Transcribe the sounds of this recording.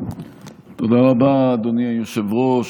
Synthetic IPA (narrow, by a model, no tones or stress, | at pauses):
t̪od̪aʁabad̪oniajoʃevʁo